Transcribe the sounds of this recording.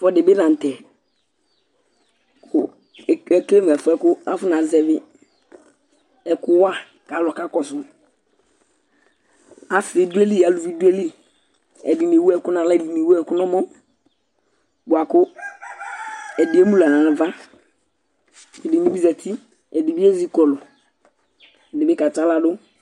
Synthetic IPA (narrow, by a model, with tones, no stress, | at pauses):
fɔ˦dɪ˨bɪ˦nã˨n̩˨tɛ˨ | kʰʊ˨ | ɛ˦kle˦m˨ɛ˨fʊ˦ɛ˦kʊ˦a˦fʊ˦na˨zɛ˨vɪ˦ | ɛ˦kʊ˦wa˦ | ka˨˦lɔ˨ka˦kɔ˨sʊ˦ | a˦fe˨du˦ɛ˦li˦˨a˨lu˨vi˦du˦ɛ˦li˦˨ | ɛ̰˨di˨n˨e˨wu˦ɛ˦˨kʊ˦nã˨la˦ɛ˨di˨ne˨wu˦ɛ˦˨˦kʊ˦nɔ˦mɔ˦ | ɡa˨kʊ˦ | ɛ˨dɪ˨˦e˦mũ˦la˨nã˨a˨va˦˨ | ɛ˨dɪ˨ni˨˦bi˦zɛ˨tʰi˦ | ɛ˨dɪ˨bɪ˦e˦zi˦kɔ˨lɔ˨ | ɛ˨dɪ˨bɪ˦ka˨ta˨˦la˨dʊ˦